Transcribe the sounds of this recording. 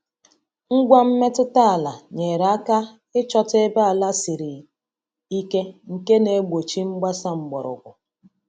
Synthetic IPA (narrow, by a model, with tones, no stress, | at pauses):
ŋ̩˦ɡʷa˦m̩˦me˦tʊ˦ta˦a˨la˨ɲe˨ɾa˦ka˦ | ɪ˦t͡ʃɔ˦te˦ba˦a˨la˦si˨ɾi˨ | i˦ke˦ŋ̩˨ke˦ne˨˦ɡ͡bo˨t͡ʃi˦ŋ͡m̩˦ɡ͡ba˦sa˦ŋ͡m̩˨ɡ͡bɔ̰˨ɾʊ̰˨ɡʷʊ˨